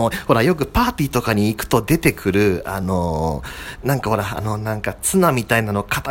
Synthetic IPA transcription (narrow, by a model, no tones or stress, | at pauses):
oho̞ɾajo̞k̬ɯ̟paːt̪ʲiːt̪o̞kaɲ̟iːkɯ̟̥t̪o̞d̪e̞t̪e̞kʰɯ̟ɾɯ̟a̰no̞ | nãŋkaho̞ɾa̰ːno̞nãŋkat͡sɨnamʲit̪ainano̞kʰat̪a